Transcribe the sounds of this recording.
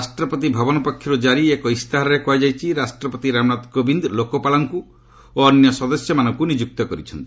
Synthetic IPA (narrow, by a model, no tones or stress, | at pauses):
asʈɾɔpɔt̪̬ibʱabɔnɔpɔkʰːjɔɾud͡ʒaɾiekɔist̪aɦɾɔɾekoajd͡ʒajt͡ʃʰiɾasʈɾɔpɔt̪iɾamnat̪kobind̪lokɔpalɔŋku | oɔnjɔsɔd̪ɔsjɔmanɔŋkunid͡ʒuk̚t̪ɔkɔɾit͡ʃʰɔnt̪ii̥